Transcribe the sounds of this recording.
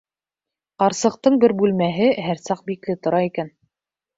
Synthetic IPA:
qɑɾsɤ̆q̚t̪ɤɴbɘɾbʉlmæɦɘɦæɾsɑq̚biklɘt̪ŏɾɑikæn

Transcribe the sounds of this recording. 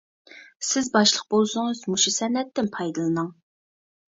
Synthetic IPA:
sɪzbɑʃlˠəq̚bolˠsʊŋɨzmuʃisɛnːɛt̪ːɪnpʰɑjd̪ɨlˠɨnɨŋ

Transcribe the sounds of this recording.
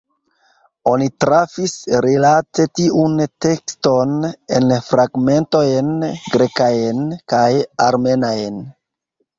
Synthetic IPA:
o̞nitɾafisɾilate̞tiʔunte̞ksto̞nḛnfɾaɡme̞nto̞jnɡɾekajnkajaɾme̞najn

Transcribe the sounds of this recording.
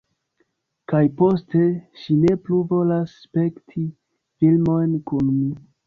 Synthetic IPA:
kajpo̞ste̞ʃine̞pluvo̞lasːpe̞ktʰi | filmo̞jnkunmi

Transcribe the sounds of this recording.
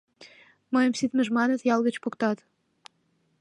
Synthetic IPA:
məjəmsit̪mə̆ʒmɑnət̪jɑlɣə̆t͡ɕpokt̪ɑt̪

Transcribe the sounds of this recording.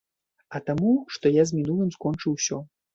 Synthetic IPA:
ɐt̪amuʂt̪ɔjazmʲinulˠɨmskɔnt͡ʂɨwsʲɔ

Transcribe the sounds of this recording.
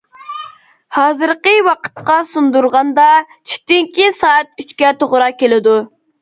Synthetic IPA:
hɑːzɨɾqəwɑqʰə̥t̪qɑsund̪uɾʁɑnd̪ɑ | t͡ʃʰy̥t̪yŋkʲisɑːæt̪̚yt͡ʃkʲɛt̪ʰoʁɾɑkʲelɪd̪u

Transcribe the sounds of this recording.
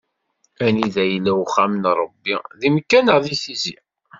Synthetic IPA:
æniðæjlːæwχæmənɾˤəbːḭðimkːænəʁðiθizḭ

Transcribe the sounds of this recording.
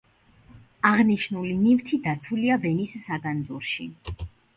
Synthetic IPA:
aʁniʃnulinivt̪ʰid̪at̪sʰuliavɛnisːaɡand̪zuɾʃi

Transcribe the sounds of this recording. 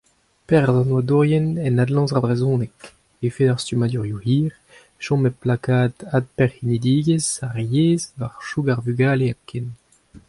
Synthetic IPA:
pɛʁzɑ̃nwad̪uʁjɛnɛnad̪lɑ̃zaʁbʁezɔ̃ːnɛk | efedaʁst̪ymad̪yʁjuhiːʁ | ʃɔ̃meplakaːd̪ad̪̚pɛʁinid̪iːɡezaʁjeːzvaʁʃuɡaʁvyɡaːleaken

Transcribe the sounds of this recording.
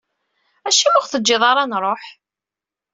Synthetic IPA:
æʃiwʊʁθəd͡ʒːɪðˤɑɾˤɑnɾˤoħ

